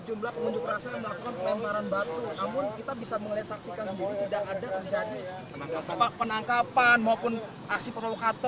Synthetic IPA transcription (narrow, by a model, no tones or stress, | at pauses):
əd͡ʒumlahpəŋuɲd͡ʒʊkrasajaŋməlakukanpəlɛmpaɾanbat̪unamʊnkit̪abisaməŋliat̪̚saksikansəndiɾit̪idakadat̪ərd͡ʒadi | aaapapənaŋkapanmaupʊn | ʔaksipərlolokat̪ɔ